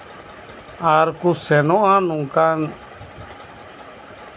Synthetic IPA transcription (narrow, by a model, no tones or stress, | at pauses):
aːɾkusenoãːnũːkaːn